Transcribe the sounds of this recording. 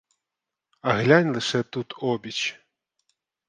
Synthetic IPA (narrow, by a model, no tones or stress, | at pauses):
aɣlʲanʲlˠɨʂɛt̪ut̪ʰɔbʲit͡ɕ